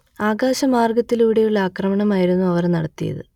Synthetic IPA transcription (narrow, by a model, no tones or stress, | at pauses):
aːɡaːɕɐmaːrɡɐt̪ːiluʋiɽejuɭːɐaːkrɐmɐɳɐmaːjiɾunːuɐʋɐrnɐɽɐt̪ːijɐ̰ðɨ̰